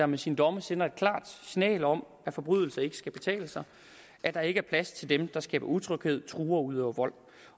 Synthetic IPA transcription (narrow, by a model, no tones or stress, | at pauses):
ɑmesind̥ɒ̽məsen̰ɐe̝d̥̚kʰlɑ̰̈ːd̥sinɛ̰ːlɒ̽m | æfɒ̽b̥ʁyð̞̰ˠl̩sɐe̝ɡ̥ə̥sɡ̥æb̥e̝t͡sʰɛ̰ːləsɑ̈ɪ | ʔæd̥ɑ̈e̝ɡ̥əæɐpʰlæst͡sʰe̝ld̥emd̥ɑ̈sɡ̥ɛ̰ːb̥ɐut͡sʰʁœɡ̥heð̞̰ˠt͡sʰʁuːɐuð̞̰ˠɒʊɐʋɒ̽l̰